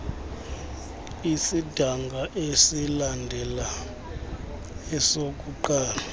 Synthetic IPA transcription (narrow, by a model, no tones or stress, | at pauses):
isid̥ʱaŋɡʱaʔesilandʱɛla | ɛsok̬ʼuǃaːla